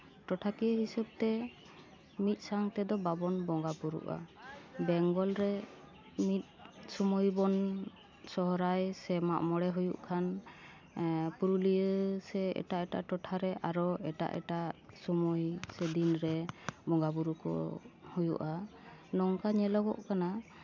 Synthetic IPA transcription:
ʈɔʈʰakijəɦisɔb̚t̪ɛ | mit̪̚ˀsaŋt̪ɛd̪ɔbabɔnbɔŋɡabuɾṵʔa̰bɛŋɡɔlɾɛ | mit̪̚ˀsɔmɔjbɔn | sɔɦɔɾajsɛmaʔmɔɽɛɦujuʔkʰan | puɾulijəsɛɛ̰ʈaʔɛʈa̰ʔʈɔʈʰaɾɛʔaɾɔɛʈa̰ʔɛ̰ʈaʔsɔmujsɛd̪inɾɛbɔŋɡabuɾukɔ̰hujṵʔanɔŋkaɲɛlɔɡɔ̰ʔkana

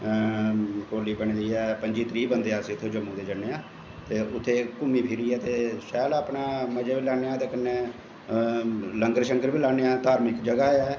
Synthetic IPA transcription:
koːliːbəɳ̃ːd̪iːɛːpəɲd͡ʒiːt̪ɾiːbənd̪eːãːsiʊt̪ʰːeːd͡ʒəmːũːd̪eːd͡ʒəneːãː | t̪eːʔʊt̪ʰːeːkʊmːiːpʰɪɾiːɛːt̪eːsɛːlaːpɳaːməd͡ʒaːbiːlɛːɽaːt̪eːkənːeː | ləŋɡəɾʃəŋkəɾbiːlaːɽeːaːt̪aːɾmɪkd͡ʒəɡaːɛː

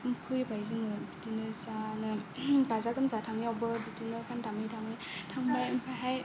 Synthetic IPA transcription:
mpʰɯjbajziŋɯbitinɯzanɯbazaɡɯmzatʰaŋiawbɯbitinɯkʰantamitʰaŋi | tʰaŋbajmpʰajɦaj

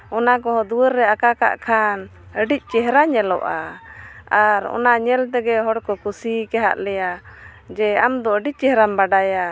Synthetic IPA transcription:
ɔnak̬ɔɦɔd̪uwəɾːɛakaka̰ʔkʰan | əɖic̚ˀt͡ʃɛɦɾaɲɛlɔ̰ʔa | aɾɔ̰naɲɛlt̪ɛɡɛɦɔɽkɔkusikɛɦa̰ʔlɛjad͡ʒɛamd̪ɔəɖic̚t͡ʃɛɦɾambaɖaja

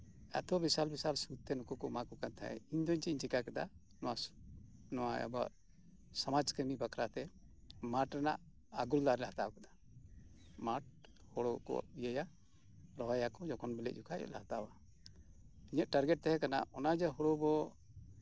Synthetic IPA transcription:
ɛ̰t̪ɔbisalbisalsut̪ːɛnɔkɔkɔmakɔkant̪ʰa̰ɛ̰iɲd̪ɔɲt͡ʃiiɲt͡ʃikakɛd̪a̰ | nɔwa | nɔwaɛ̰ba̰ʔ | sɔmad͡ʒkəmibakʰɾat̪ɛmaʈɾɛna̰ʔ | aɡuld̪aɾɛlaɦat̪awkɛd̪a | maʈ̚ | hɔɽɔkɔ̰ijəja | ɾɔɦajakɔd͡ʒɔkʰɔnbɛlɛ̰ʔ̚d͡ʒukʰaɛ̰ʔ̪laɦat̪awa | iɲəʔ̪ʈaɾɡɛʈ̚t̪ɛɦɛkana̰ɔnad͡ʒaɦɔɽɔbɔ

